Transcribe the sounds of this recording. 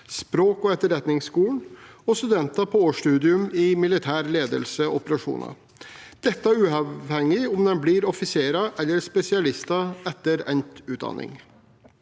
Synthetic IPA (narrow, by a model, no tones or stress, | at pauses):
spɾoːkɔɛt̪ːəɾɛt̪nɪŋskuːɳ̩ɔst̪ʉd̪ɛnt̪ɑpʰɔoːʂʈʉːd̪ɪʉmɪmɪlɪt̪ʰæːɾleːd̪ə̰lsəɔpəɾɑʂṵːnɑ̰ | d̪̥ɛt̪ːəæɾʉːɑʋhɛŋːɪʊmd̪ɛnbliːɾɔfɪseːɾɑʔɛlːəɾspɛsɪɑlɪst̪ɑɛt̪ːəɾɛnt̪ʉːd̪ɑ̰nʔɪ̰ŋ